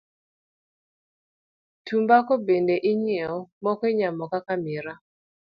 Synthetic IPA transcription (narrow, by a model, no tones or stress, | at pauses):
tʰumbakɔbendeʔɪɲiɛɔmɔkɔiɲamɔkakamɪɾa